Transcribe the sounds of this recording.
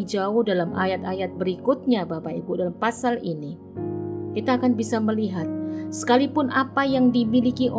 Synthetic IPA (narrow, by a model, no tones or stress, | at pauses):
d͡ʒaʊhdalamʔajat̪ajat̪̚bəɾikʊt̪̚ɲabapaibudalampasalini | kit̪aːkanbisaməliɦat̪̚sə̥kalipʊnʔapajaŋdimilikiʔo